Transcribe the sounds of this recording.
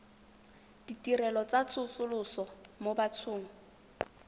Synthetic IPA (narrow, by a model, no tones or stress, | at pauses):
d̥itirɛlɔt͡sat͡sʰʊsʊlʊsɔmobat͡sʰʊːŋ̩